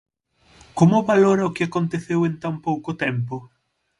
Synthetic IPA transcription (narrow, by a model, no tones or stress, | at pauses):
komʊβaloɾɐʊkɪakont̪eθewent̪ampowkot̪ɛmpʊ